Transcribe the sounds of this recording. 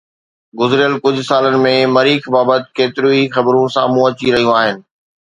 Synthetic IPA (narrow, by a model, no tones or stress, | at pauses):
ɡʊzɪɾɪjəlkʊd͡ʑʱʊsaːlənɪ̆mẽmɐɾiːkbaːbət̪ɪ̥̆keːt̪ɪɾũixɐbɾũsaːmũɐt͡ɕiɾɐɦijũaːɦɪnɪ̆